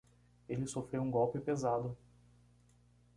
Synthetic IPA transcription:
elɪsofɾewũɡɔwpɪpezad̪ʊ

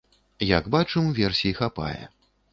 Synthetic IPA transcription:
ja̰ɡbat͡ʂɨmvʲɛrsʲiixapa̰jɛ̰

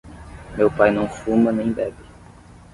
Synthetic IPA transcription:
mewpajnɐ̃w̃fũmɐnẽj̃bɛbɪ

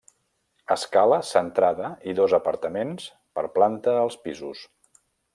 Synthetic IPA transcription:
əskaləsənt̪ɾaðəiðɔzəpəɾt̪əmens | pəɾplant̪əːlˠspizus

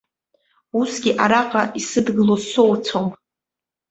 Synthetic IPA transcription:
usɡʲiʔaɾaqʼaʔisɨdɡɨlosowt͡sʰom

